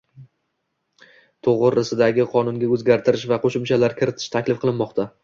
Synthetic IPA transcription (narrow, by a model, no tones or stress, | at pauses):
t̪ʰoʁɨɾɪsɪd̪aɡʲɪqʰɒnʊŋɡʲaɵzɡʲaɾt̪ʰɪɾɪʃvaqʰoʃɪmt͡ʃʰalaɾkʲʰɪɾɪt̪ʰɪ̥ʃt̪ʰakʲlɪfqʰɨlˠɪnmɒqt̪ʰa